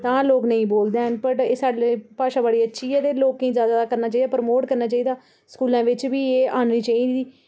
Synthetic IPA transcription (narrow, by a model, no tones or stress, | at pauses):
t̪ãːloːknəĩːboːld̪eːɦənpəʈeːsaːɖepaːʃãːbəɽiːətːʃʰiːɛːd̪eːloːkĩːzjaːd̪aːd̪aːkəɾnaːt͡ʃaːiːd̪aːpəɾmoːʈkəɾnaːt͡ʃaːiːd̪aː | skuːlãːʋɪt͡ʃʋiːeːaːnniːt͡ʃaːiːd̪iː